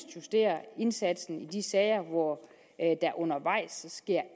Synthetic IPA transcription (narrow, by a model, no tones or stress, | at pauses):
d̥jusd̥e̝̰ːɐe̝nsæd̥sn̩id̥isɛːɪɐʋɒ | d̥æ̈ɐʔɔ̽nɐʋɑ̈ɪ̰sɒsɡ̥e̝ɐ̰